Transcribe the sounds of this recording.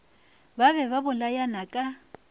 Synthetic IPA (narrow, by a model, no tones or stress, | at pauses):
baβɛβabʊlajanakʼa